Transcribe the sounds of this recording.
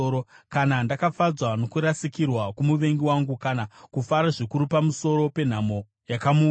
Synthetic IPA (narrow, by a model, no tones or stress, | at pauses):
okanandakafad͡zwano̞kuɾasikirwakumuʋe̞ŋɡiwaŋɡukanakufaɾaʐikuɾupamuso̞ɾo̞pe̞n̤amo̞ | jakamuː